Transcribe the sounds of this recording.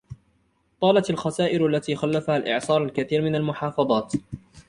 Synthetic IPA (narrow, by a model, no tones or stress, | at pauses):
t̪ˤɑːlat̪alxasaːʔɪɾalːat̪iːxalːafahalʔɪ̰ʕsˤɑːɾˤalkaθiːɾmɪnalmʊħɑːfɑðˤɑːt̪